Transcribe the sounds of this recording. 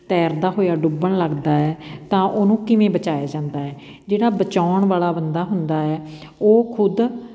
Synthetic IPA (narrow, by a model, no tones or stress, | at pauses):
t̪ɛːɾd̪aːɦoːjaːɖʊbəɳləɡd̪aːɛːt̪ãːʔoːnũːkɪʋẽːbət͡ʃaːjaːd͡ʒãːnd̪aːɛː | d͡ʒeːɽaːbət͡ʃaːʊɳʋaːlaːbənd̪aːɦʊnd̪aːɛː | oːkʰʊd̪